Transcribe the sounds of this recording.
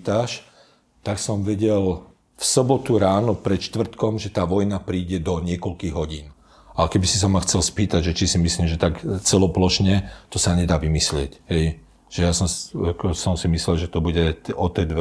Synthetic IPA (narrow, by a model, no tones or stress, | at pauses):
t̪aʃ | t̪aksɔmʋɛɟɛl | fsɔbɔt̪uɾaːnɔpɾɛt̪ʃt̪ʋr̩t̪kɔmʒɛt̪aːʋɔjnapɾiːɟɛd̪ɔɲɪɛkɔlkiːɣɦɔɟḭːn | aɛkɛbisis̬amaxt͡sɛlspiːt̪aɟʒɛt͡ʃisimisliːmʒɛt̪akt͡sɛlɔplɔʃɲɛt̪ɔsaɲɛd̪aːʋimislɪɛcɦɛj | ʒ̥ɛjasɔmksɔmsimislɛlʒɛt̪ɔbuɟɛɔt̪ɛd̪ʋɛ